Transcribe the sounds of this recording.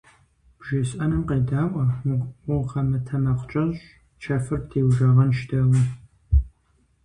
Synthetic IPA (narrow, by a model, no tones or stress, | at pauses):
b̥ʒɪɕʼɐnɨmqeːdaːʔʷɐwʊʊqɐmɐtʰɐmɐqʷt͡ʃʼɐɕ | t͡ʃʰɐfɨrtʰeːwʒɐʁɐnʃtʰɐwɐ